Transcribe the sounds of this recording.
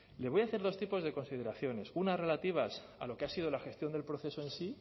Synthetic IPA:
le̞βo̞jaθe̞ɾð̞o̞st̪ipo̞zðe̞ko̞nsið̞e̞ɾaθjo̞ne̞sunare̞lat̪iβ̞as | a̰lo̞keasið̞o̞laxe̞st̪jo̞nd̪e̞lpɾo̞θe̞soe̞nsi

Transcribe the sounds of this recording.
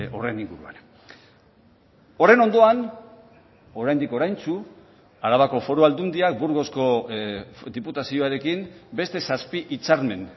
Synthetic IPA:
o̞re̞niŋɡuɾua̰n | o̞re̞no̞nd̪o̞an | o̞ɾajnd̪iko̞ɾajnt͡su | aɾaβako̞fo̞ɾoald̪und̪iak̚buɾɣo̞sko̞ | d̪iput̪asioaɾe̞kimbe̞st̪e̞saspiʔit͡saɾme̞n

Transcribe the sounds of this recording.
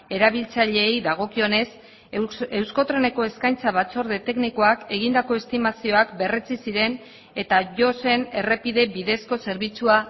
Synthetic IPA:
e̞ɾaβilt͡saʎe̞ːjðaɣ̞o̞kio̞ne̞s | e̞wsko̞t̪ɾe̞ne̞ko̞e̞skajnt͡saβat͡so̞ɾðe̞t̪e̞kniko̞ake̞ɣ̞ind̪ako̞e̞st̪imasio̞akbe̞re̞t͡sisiɾe̞n | e̞t̪aʝo̞se̞ne̞re̞piðe̞βiðe̞sko̞se̞ɾβit͡sua

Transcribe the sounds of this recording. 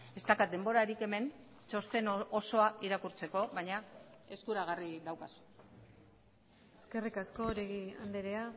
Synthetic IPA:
e̞st̪akat̪̚d̪e̞mbo̞ɾaɾike̞me̞n | t͡ʃo̞st̪e̞noso̞aʔiɾakuɾt͡se̞ko̞βajɲae̞skuɾaɣarid̪awkasu̥ | eske̞rikasko̞ɾeɣia̰nd̪eɾea

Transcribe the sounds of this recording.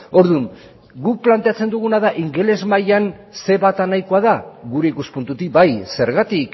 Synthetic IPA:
o̞ɾðuŋ | ɡuk̚plant̪e̞at͡se̞nd̪uɣ̞unaðaʔiŋɡe̞le̞zmajan | se̞βat̪anajko̞aðaɣuɾe̞ikuspunt̪ut̪ibajse̞ɾɣat̪ik

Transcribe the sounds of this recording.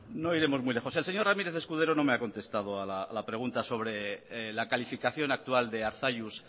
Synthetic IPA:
no̞iɾe̞mo̞zmujle̞xo̞selse̞ɲo̞ramiɾeθe̞skuð̞e̞ɾono̞meako̞nt̪e̞st̪að̞oalalapɾe̞ɣunt̪aso̞β̞ɾe̞lakalifikaθjo̞nak̚t̪uald̪e̞aɾθaʎus

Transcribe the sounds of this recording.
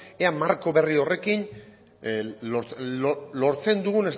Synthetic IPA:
eamaɾko̞βe̞rio̞re̞kin | oɾt͡solo̞ɾt͡se̞nd̪uɣune̞s

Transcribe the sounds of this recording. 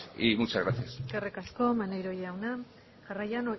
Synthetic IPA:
imut͡ʃaɣɾaθijaskarekasko̞manejɾo̞jeawna | ʝarajano

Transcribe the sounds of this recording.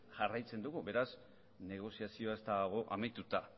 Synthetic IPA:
ʝarajt͡se̞nd̪uɣube̞ɾas | ne̞ɣ̞o̞siasio̞ae̞st̪aɣ̞o̞ʔamajt̪ut̪a

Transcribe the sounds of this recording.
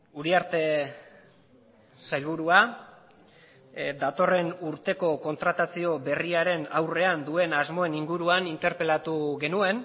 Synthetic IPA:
uɾiaɾt̪e̞ | sajlβuɾua | d̪at̪o̞re̞nuɾt̪e̞ko̞ko̞nt̪ɾat̪asio̞be̞riaɾe̞nawre̞and̪ue̞nazmo̞e̞niŋɡuɾuanint̪e̞ɾpe̞lat̪uɣe̞nue̞n

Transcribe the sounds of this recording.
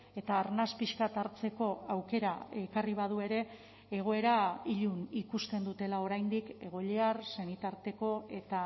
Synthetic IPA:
e̞t̪aːɾnaspiʃkat̪aɾt͡se̞ko̞awke̞ɾae̞kariβ̞að̞ue̞ɾe̞ː | ɣ̞o̞e̞ɾaiʎunikust̪e̞nd̪ut̪e̞lao̞ɾajnd̪ike̞ɣ̞o̞ʎeaɾse̞nit̪aɾt̪e̞ko̞e̞t̪a

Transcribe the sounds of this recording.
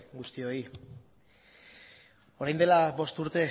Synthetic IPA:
ɡust̪io̞i | o̞ɾajnd̪e̞laβo̞st̪uɾt̪e̞

